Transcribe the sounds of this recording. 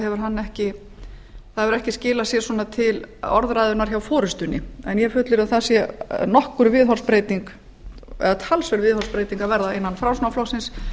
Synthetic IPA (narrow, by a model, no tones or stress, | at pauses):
hɛvʏɾ̥ɦanːɛhcɪ | θaɛvʏɾɛhcɪscɪːlasjɛsɔːnat̪ʰɪlɔ̰ɾðɾaːjðʏnːaɾ̥çawfɔːɾʏst̪ʏnːɪ̰ɛnjɛfʏt̪lɪɾaðθasjɛnɔhkʏɾvɪðɦɔrspɾejt̪iŋk | ɛ̰ðat̪ʰalsvœɾvɪːðhɔɾspɾeːjt̪iŋkavɛɾðaejnːanfɾawsnawflɔhsɪns